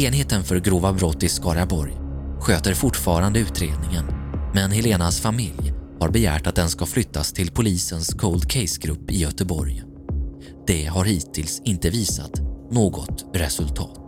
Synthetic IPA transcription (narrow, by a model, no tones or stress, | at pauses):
eːnheːt̪ənfœɾɡɾoːvabɾɔt̪ːɪskɑːɾabɔɾj | ɧøːt̪əɾfʊʈːfɑːɾand̪əʉ̟ːt̪ɾeːd̪̚nɪŋənmɛnhɛleːnasfamɪljhaɾbɛjæ̰ːʈat̪̚d̪ɛnskaflʏt̪ʰːast̪ʰɪlpʰʊliːsənskʰold̪̚kʰɛɪsɡɾɵpːɪjœt̪əbɔ̰ɾj | d̪̥ɛɦaɾhiːt̪ʰɪlsɪnt̪əviːsa̰t̪noːɡɔt̪ɾɛsɵlt̪ʰɑ̰ːt̪